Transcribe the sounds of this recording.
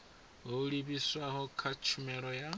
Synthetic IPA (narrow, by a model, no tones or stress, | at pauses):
ɦoɺiβiswaɦɔkʰat͡ʃʰumɛɺɔja